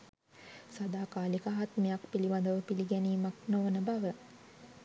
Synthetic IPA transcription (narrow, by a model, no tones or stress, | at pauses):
sad̪aːkaːlikaɦat̪mejakpiliband̪əʋəpiliɡæniːmaknoʋənəbaʋə